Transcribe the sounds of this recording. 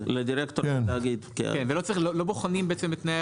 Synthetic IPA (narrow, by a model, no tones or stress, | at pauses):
led̪iɾekt̪okenaɡid̪kḛkenvelot͡sailoloboχanimbeet͡semet̪naj